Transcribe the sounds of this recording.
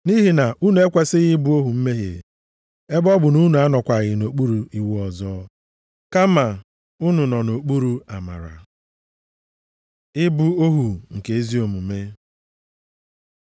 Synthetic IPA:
ni˦ɦi˨na˨ʔu˦nu˨e˦kʷa˦sɪ˦ɣɪ˦bu˦o˦ɦu˨m̩˦me˦ɦḛ˨ | e˦bɔ˦bʊ˨nu˦nu˨˦a˦nɔ˨kʷa˨ɣɪ˨no˨k͡pu˦ɾu˨i˨wɔ˨zɔ˦ | ka˦ma˨ | ʊ˦nʊ˨nɔ˨no˨k͡pu˦ɾu˨a˨ma̰˨ɾa̰˨ | ɪ˦bu˦o˦ɦu˨ŋ̩˨ke˨e˦zi˦o˨mu˨me˦

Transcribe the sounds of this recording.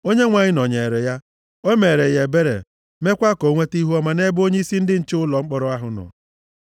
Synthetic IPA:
o˦ɲe˦ŋʷa˨ɲɪ˦nɔ˨ɲe˨ɾe˨ja˦ | o˦me˨ɾe˨je˨be˦ɾḛ˨ | me˦kʷa˦ko˨ŋʷe˦ti˦ɦu˦ɔ˦ma˨ne˦bo˦ɲe˦i˦si˦n̩˦dɪ˦n̩˨t͡ʃɪ˦ʊ˦lɔ˨ŋ͡m̩˦k͡pɔ˦ɾʊ˦a˦ɦʊ˨nɔ̰˨

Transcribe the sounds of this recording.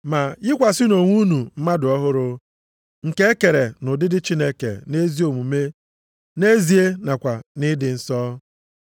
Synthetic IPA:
ma˨jɪ˦kʷa˨sɪ˦no˨ŋʷu˦nu˨m̩˦ma˦dʊ˨ɔ˦ɦʊ˦ɾʊ˦ | ŋ̩˨ke˦e˦ke˨ɾe˨nʊ˨dɪ˦dɪ˦t͡ʃi˦ne˦kḛ˨ne˦zi˦o˨mu˨me˦ | ne˦zi˨e˦na˨kʷa˨nɪ˦dɪ˨n̩˦sɔː˦

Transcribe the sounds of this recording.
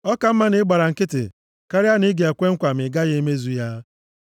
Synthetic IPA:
ɔ˦ka˨m̩˦ma˦nɪ˦ɡ͡ba˨ɾa˨ŋ̩˨kɪ˦tɪ̰˨ | ka˦ɾja˦ni˦ɡe˨e˨kʷe˦ŋ̩˦kʷa˨m̩˨ɪ˨ɡa˦ɣɪ˦me˦zu˦ja˦

